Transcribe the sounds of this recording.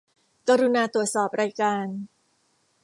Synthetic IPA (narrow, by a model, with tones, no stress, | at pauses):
kaː˧ɾu˧naː˧t̪ɾu˨˩ət̪̚sɔː˨˩p̚ɾaː˧jkaː˧n